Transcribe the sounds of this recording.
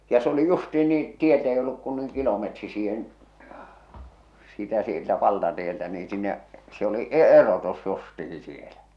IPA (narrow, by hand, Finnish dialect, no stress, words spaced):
jɑ s oli justiːn niː tieltɛ ei olːuk kun nuiŋ kilometri siːhen sitæ sieltæ ʋɑltɑtieltæ niː sinːeʔ se oli ʔe ʔerotus justihi sielæ